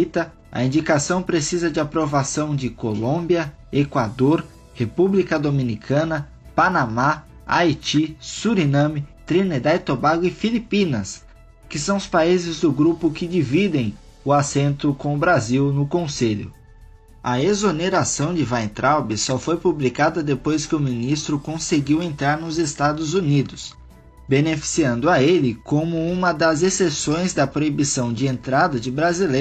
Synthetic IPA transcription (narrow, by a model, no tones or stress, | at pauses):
it̪ɐ | ɐ̰ĩnd͡ʒikasɐ̃w̃pɾesizɐd͡ʒɪapɾovasɐ̃w̃d͡ʒɪkolõbiɐ | ekwad̪oɾ | hepublikɐd̪omĩnikʰɐ̃nɐ | panama | ajt͡ʃisuɾinɐ̃mɪt̪ɾined̪ajt̪obaɡʊɪfilipĩnɐs | kɪsɐ̃w̃ʊspaizɪzd̪ʊɡɾupʊkɪd͡ʒivid̪ẽj̃ | ʊasẽnt̪ʊkõw̃ʊbɾaziwnʊkõseʎʊ̰ | ɐezoneɾasɐ̃w̃d͡ʒɪvãj̃t̪ɾawbɪsɔfojpublikad̪ɐd̪epojskɪʊmĩnist̪ɾʊkõseɡiwẽnt̪ɾaɾnʊzest̪ad̪ʊzunid̪ʊs | benefi̥siɐ̃nd̪ʊɐelɪkõmʊũmɐd̪ɐzesesõj̃zd̪ɐpɾoibisɐ̃w̃d͡ʒɪẽnt̪ɾad̪ɐd͡ʒɪbɾazile